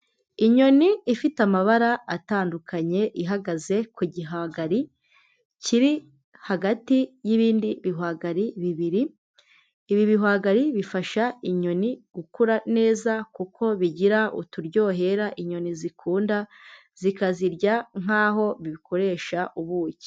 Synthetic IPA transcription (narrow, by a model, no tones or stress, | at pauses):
iɲo̞niːfitamaβaɾaataːndukʰaɲe̞ʔiɦaɡaze̞kuɟiɦaɡaɾi | ciɾi | haɡatijiβiːndiβiɦwaɡaɾiβiβiɾiː | βiβiɦwaɡaɾiβifaʃaiɲo̞niɡ̥ukuɾane̞ːzakukʰo̞βiɟiɾaʔṵtuɾɟo̞ːɦe̞ɾaʔiɲo̞nizikʰuːnda | z̥ikaziɾɟaŋ̥aːɦo̞βiβikʰo̞ɾe̞ːʃaʔuβuːɟi̥